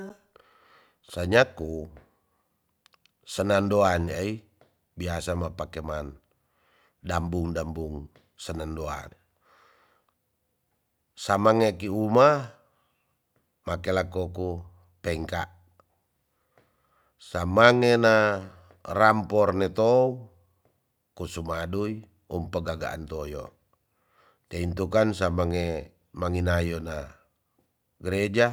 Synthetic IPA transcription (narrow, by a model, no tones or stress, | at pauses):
saɲaku | sənandoanai | biasamapakeman | dambuŋdambuŋ | sənandoa̰n | samaŋekiuma | makelakɔku | pɛŋkaʔ | samaŋena | rampɔrnɛt̪ou | kusumadui | umpəɡaɡa̰ʔa̰nt̪ojɔ̰ | t̪eint̪ukansamaŋe | maŋinajona | ɡəɾed͡ʒa